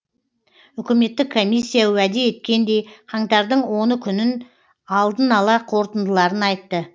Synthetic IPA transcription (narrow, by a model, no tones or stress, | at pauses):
ʏkʲɪme̞t̪ːɪkʰːo̞mʲijsʲːijawæd̪e̞e̞t̪̚kʲe̞nd̪e̞jqʰɑɴt̪ɑɾd̪əɴwo̞nəkʲʰʏnɪn | ɑlˠd̪ənɑlˠɑqʰo̞ɾt̪ənd̪əlˠɑɾənɑjt̪ːə